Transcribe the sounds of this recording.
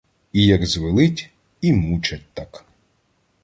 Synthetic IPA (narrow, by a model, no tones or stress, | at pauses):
ijɐɡzʋɪlˠɪtʲ | imut͡ʃɐt̚ʲt̪ak